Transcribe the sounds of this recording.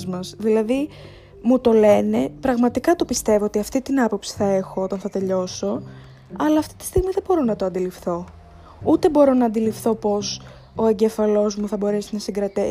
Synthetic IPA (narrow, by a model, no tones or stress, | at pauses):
zmɐzðilɐði | mut̪o̞le̞ne̞pɾɐɣmɐt̪ikɐt̪o̞pist̪e̞voot̪iɐft̪it̪inɐpo̞psi̥θɐe̞xoot̪ɐnθɐt̪e̞ʎo̞so̞ | ɐlɐːft̪i̥t̪i̥st̪iɣmiðe̞bo̞ɾo̞nɐt̪oɐnd̪ilifθo̞ | ut̪e̞bo̞ɾo̞nɐːnd̪ilifθo̞po̞s | o̞e̞ɲɟe̞fɐlo̞zmuθɐbo̞ɾe̞sinɐsiŋɡɾɐt̪e